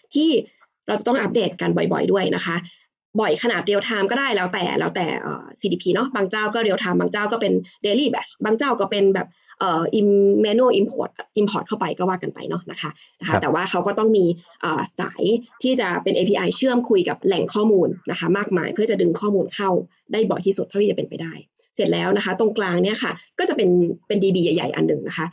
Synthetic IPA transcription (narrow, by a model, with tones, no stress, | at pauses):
t̪ʰiː˥˩ | ɾa˧wt͡ɕa˨˩t̪ɔ˥˩ŋʔa˦˥p̚deː˨˩t̪̚ka˧nbɔ˨˩jbɔ̰˨˩jdu˥˩əjnʔa̰˦˥kʰa˦˥ʔ | bɔ˨˩jkʰa˧naː˨˩t̪̚ɾi˧wt̪ʰaː˧mkɔː˥˩daː˥˩jlɛː˦˥wt̪ɛ̰ː˨˩lɛ̰ː˦˥wt̪ɛ̰ː˨˩ʔɤ̰ː˨˩siː˧diː˧pʰiː˧nɔ˦˥baː˧ŋt͡ɕaː˥˩wkɔː˥˩ɾi˧wt̪ʰa˧mbaː˧ŋt͡ɕaː˥˩wkɔː˥˩pe˧ndeː˧liː˥˩bɛ˧˦˥sbaː˧ŋt͡ɕaː˥˩wkɔː˥˩pe˧nbɛ̰ː˨˩p̚ | ʔɤː˨˩ʔi˧mːɛː˧nuː˥˩ʔi˧mpʰoː˧˩t̪̚ʔʔi˧mpʰɔː˧˦˩t̪̚ʰa˥˩wpa˧jkɔː˥˩waː˥˩ka˧npa̰˧jnɔ˦˥na̰˦˥kʰa˦˥ʔ | na˦˥kʰa˦t̪ɛː˨˩waː˥˩kʰa˦˥wkɔː˥˩t̪ɔ˥˩ŋmiː˧ʔɤː˨˩sa̰ː˩˦jt̪ʰiː˥˩t͡ɕa˨˩pe˧nʔeː˧pʰiː˧ʔa˧jt͡ɕʰɯ˥˩əmkʰu˧jka˨˩p̚lɛ˨˩ŋkʰɔː˥˩muː˧nːa˦kʰa˦˥maː˥˩k̚ma̰ː˧jpʰɯ˥˩ɐt͡ɕa˨˩dɯ˧ŋkʰɔː˥˩muː˧nkʰa˥˩w | daː˥˩jbɔ̰˨˩jt̪ʰiː˥˩su˨˩t̪̚ʰa˥˩t̪ʰiː˥˩a˨pe˧npa˧jdaː˥˩j | se˨˩t̪̚lɛː˦˥wna˦˥kʰa˦˥t̪o˧˥˩ŋklaː˧ŋni˥ɐkʰa˥˩kɔː˥˩t͡ɕa˨˩pe˧npe˧ndiː˧biː˧ja˨˩jːa̰˨˩jʔa̰˧nːɯ˨˩ŋna˦˥kʰa˦˥ʔ